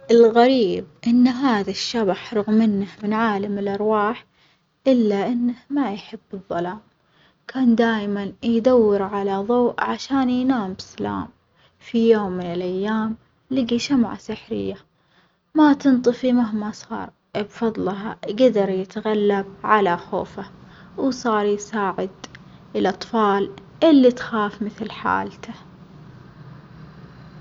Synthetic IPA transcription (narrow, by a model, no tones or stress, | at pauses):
ʔɪlɣaɾiːb̚ʔɪnːɦaːðaʃːabaħɾˤʊɣmɪnːahmɪnʕaːlamɪlʔɑɾˤwaːħ | ʔɪlːaʔɪnːahmajħɪbːɨðˤːɑlaːm | kʰaːnd̪aːjmanjd̪awːɪɾʕalaðˤoːʔʕaʃaːnjnaːmbsala̰ːm | fijoːmːɪnɪlʔajːaːm | lɪɡiʃamʕa̰sɪħɾɪ̰jːa | mat̪ɨnt̪ˤɨfimaɦmasˤɑ̰ːɾˤ | bfɑðˤlɦaɡad̪ɑɾˤjɪt̪ɣalːab̚ʕalaxo̰ːfa | wsˤɑːɾˤjsaːʕɪd̪ | ɪlʔɑt̪ˤfɑːl | ʔɪlːit̪xaːfmɪθlħa̰ːlt̪ʰa